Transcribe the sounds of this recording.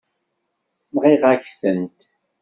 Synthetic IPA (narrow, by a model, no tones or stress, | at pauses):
mʁiʁæçθənt̪